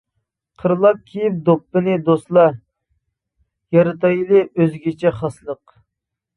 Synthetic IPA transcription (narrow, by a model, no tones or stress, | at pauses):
qʰəɾɨlˠɑp̚kʲʰijip̚d̪opːɨnɨd̪ost̪lˠɑ | jɑɾɨt̪ɑjlˠɨøzɡʲit͡ʃʰɛχɑslˠəq